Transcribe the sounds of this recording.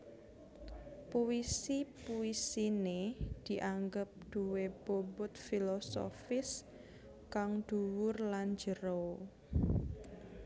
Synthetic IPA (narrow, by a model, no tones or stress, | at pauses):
puisipuisined̪̥i̤ʔaŋɡəp̚d̪̥ṳweb̥obʊt̪̚filoso̰fɪs | kaŋd̪̥uwʊrland͡ʒəɾo